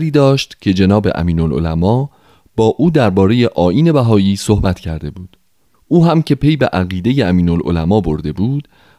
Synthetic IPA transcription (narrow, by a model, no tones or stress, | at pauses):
ɾiːd̪ɒːʃt̪cʰe̞d͡ʒe̞nɒːbe̞̰ʔæ̰miːnolo̰læmɒː | b̥ɒːʔuːd̪æɾbɒːɾe̞je̞ʔɒːʔiːne̞bæɦɒːjiːso̞hbæt̪ʰcʰæ̰ɾd̪e̞buːd̪̥ | ʔuːɦæmcʰe̞pʰe̞jbeʔæɣiːd̪e̞jeæmiːnolʔo̰læmɒːbo̞ɾd̪e̞buːd̪̥